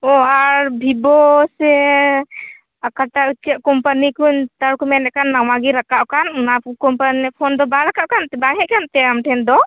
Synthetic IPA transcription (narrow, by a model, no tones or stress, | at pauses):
ɔaɾbʱibɔsɛ | akaʈautt͡ʃʰiaʔkɔmpanikuɲt̪aɾkɔmɛnɛʔkanːawaɡiɾakaʔkannakɔmpanipʰɔnd̪ɔbaɾakaʔkanɛbaŋɦɛʔkant̪ɛamʈʰɛnd̪ɔ